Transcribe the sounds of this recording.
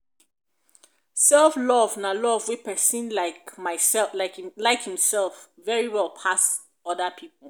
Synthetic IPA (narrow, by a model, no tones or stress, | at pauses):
sɛlˠflɔvnalɔvwipʰɛsĩnlaɪkmaɪsɛlaɪlaɪkhĩmsɛlˠfvɛɹiwɛlˠpʰas | ɔdəpʰipəl̩ˠ